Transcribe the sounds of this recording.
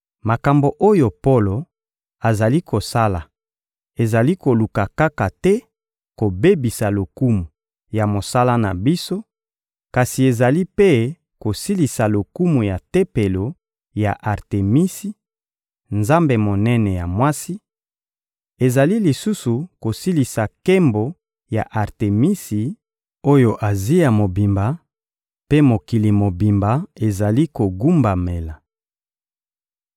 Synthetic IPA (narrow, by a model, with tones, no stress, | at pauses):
ma˨ka˨mbo˨ʔo˦jo˨po˦lo˨ | a˨za˨li˦ko˨sa˦la˨ | e˨za˨li˦ko˨lu˨ka˨ka˦ka˨tɛ˦ | ko˨be˦bi˨sa˨lo˨ku˦mu˨ | ja˨mo˨sa˦la˦na˨bi˦so˦ | ka˨si˨e˨za˨li˦pe˦ | ko˨si˦li˨sa˨lo˨ku˦mu˨ja˨te˦pe˨lo˨ | ja̰˨ʔa˨ʁte˨mi˦si˦ | nza˦mbe˨mo˨nɛ˦nɛ˨ja˨mwa˦si˦ | e˨za˨li˦li˨su˦su˨ko˨si˦li˨sa˨ke˦mbo˨ | ja̰˨ʔa˨ʁte˨mi˦si˨ | o˦jo˨ʔa˨zi˦ja˨mo˨bi˨mba˨ | pe˦mo˨ki˨li˨mo˨bi˨mba˨e˨za˨li˦ko˨ɡu˦mba˨me˨la˨